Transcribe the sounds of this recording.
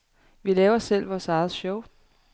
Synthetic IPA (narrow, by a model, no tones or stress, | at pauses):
ʋilɛːʊɐɒsel̰ʋɒsɑ̈ɪð̩ˠɕɔʊ